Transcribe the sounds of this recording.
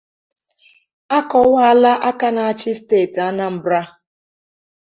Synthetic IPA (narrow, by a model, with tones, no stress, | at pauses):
a˦kɔ˨wa˦˨la˦ʔa˦ka˦na˨a˨t͡ʃɪ˦steː˦˨ta˦na˦m̩˨bɾa˦